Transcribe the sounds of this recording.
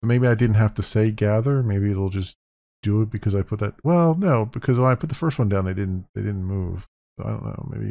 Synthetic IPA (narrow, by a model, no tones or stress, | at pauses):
ʊmeɪbiaɪdɪdⁿn̩t̚ɦæftɨseɪɡæðə˞meɪbiɨɾl̩ˠd͡ʒʌs | d̥ɨɪt̚b̥ɨkʰʌzaɪpʰʊt̪̚ðɨt̚wɛlˠnoʊbɨkʰʌzwə̃naɪpʰʊt̪̚ðəfɜ˞st̚wʌ̃ndãʊ̃nðeɪdɪdⁿn̩t̚ðeɪdɪdⁿn̩muv̥ | aɪɾõ̰ʊ̃nːo̰ʊmḛɪbḭ